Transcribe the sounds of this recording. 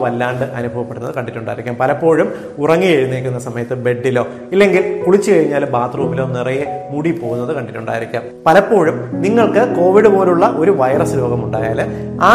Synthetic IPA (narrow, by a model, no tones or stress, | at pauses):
ʋɐlːaːɳɖɨʔɐnubʱɐʋɐpːe̞ɽunɐðɨkɐɳɖiʈːuɳɖaːjiɾikʲːaːmpɐlɐpːo̞ːɻum | urɐŋːijeɻunːe̞ːkʲːunːɐsɐmɐjɐt̪ːɨbe̞ɖːilo̞ː | ilːe̞ŋɡilkuɭit͡ɕːɨkɐɻiɲːaːlumbaːt̪ruːmilo̞ːnirɐjemuɽipo̞ːɣunːɐðɨkɐɳɖitːuɳɖa̰ːjiɾikʲːaːmpɐlɐpːo̞ːɻumniŋːɐɭkɨko̞ːʋiɽɨpo̞ːluɭːɐʔoɾuʋɐjrɐsɨlo̞ːɡɐmuɳɖaːjaːlaː